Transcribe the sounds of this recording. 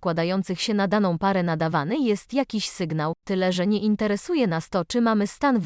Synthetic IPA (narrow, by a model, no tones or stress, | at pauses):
kwad̪ajɔnt̪sɘxɕɛnad̪anɔ̃w̃paɾɛnad̪avanɘjɛst̪jakʲiɕsɘɡnawt̪ɘlɛʐɛɲɛʔint̪ɛɾɛsujɛnast̪ɔt͡ʂɘmamɘst̪anv